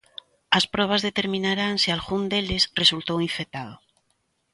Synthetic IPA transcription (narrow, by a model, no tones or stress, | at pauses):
aspɾɔβ̞azðet̪eɾmĩnaɾaŋsialɣund̪elesresult̪owiɱfet̪aðo